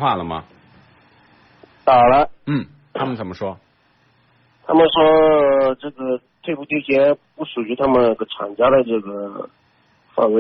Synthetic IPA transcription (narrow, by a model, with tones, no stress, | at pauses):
xwa˥˩lə˩mɐ̰˩ | t̪a˨˩lə˦n̩˥˩ | t̪ʰa˥mə˨nt͡sə˨˩mə˦ʂwɔ˥ | t̪ʰa̰˥mə˨nʂwɔ˥ʈ͡ʂɤ˥˩ɡə˩ | t̪ʰwe˥˧pu˥˩t̪jo˥˩t͡ɕʰjɛ˥pu˥˩ʂu˨˩y˧˥t̪ʰa˥mə˨n˥˩ɡə˩ʈ͡ʂʰa̰˨˩ŋt͡ɕja˥d̪ə˧˨ʈ͡ʂɤ˥˩ɡə˩ | fa̰˥˩ŋwe˥˩